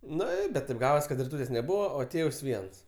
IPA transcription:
ˈnʊ ɪ bʲɛt tʲeːp ˈɡɑːʋɐs kɐt rʲɪˈtuːtʲeːsʲ nʲɛˈbuːʋɐ oː ˈtʲeːws ˈʋʲiɛns

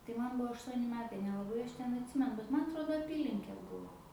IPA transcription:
tɐɪ mɐn ˈbuɔ ɐʃˈtuɔnʲɪ ˈmʲæːtɐɪ nʲɛlˠɐˈbɐɪ ˈɐʃ ˈtʲɛn ɐtʲˈsʲɪmʲɛnʊ bʲɛt mɐn ɐtˈroːdoː ɐˈpʲiːlʲɪŋʲkʲeː ˈbʊʋoː

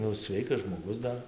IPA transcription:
ˈnʊ ˈsʲʋʲɛɪkɐs ʒmoːˈɡʊs ˈdɐr

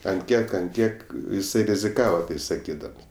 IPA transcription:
ɐnt ˈkʲiɛk ɐnt ˈkʲiɛk jɪˈsɐɪ rʲɪzʲɪˈkɑːʋɐ ˈtɐɪ sɐˈkʲiːdɐms

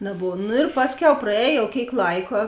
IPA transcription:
nɐˈboːw nʊ ɪr ˈpɑːsʲˌkʲɛʊ prɐˈɛːj jɛʊ ˈkʲeːɪk ˈlˠɐɪkɐ

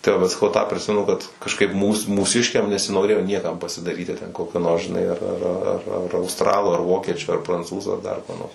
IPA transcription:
tɐɪ ˈʋɐt sɐˈkɐʊ ˈtɑː pʲrʲɪˈsʲɪmʲɛnʊ kɐt kɐʃˈkɐɪp ˈmuːs muːˈsʲɪʃʲkʲɛm nʲɛsʲɪnoːˈrʲeːjoː ˈnʲiɛkɐm pɐsʲɪdɐˈrʲiːtʲɪ tʲɛn ˈkoːkʲoː noːrs ʒʲɪˈnɐɪ ɐr ɐr ɐr ˈɐr ɐʊstˈrɑːlˠʊ ɐr ˈʋoːkʲiɛt͡ʃʲʊ ɐr prɐnˈt͡suːzʊ ɐr dɐr kuɔ noːrs

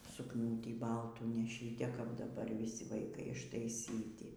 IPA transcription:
sʊkˈnuːtʲiː ˈbɐlˠtuː nʲɛˈʃʲiː tʲɛ kɐp dɐˈbɐr ʋʲiːˈsʲɪ ʋɐɪˈkɐɪ ɪʃtɐɪˈsʲiːtʲɪ

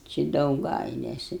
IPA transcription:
t͡ʃʲɛ dɐʊˈɡɐɪlʲɛsʲɪ

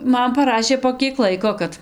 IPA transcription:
ˈmɐn pɐˈrɑːʃʲeː poː ˈkʲiɛk ˈlˠɐɪkoː ˈkɐt

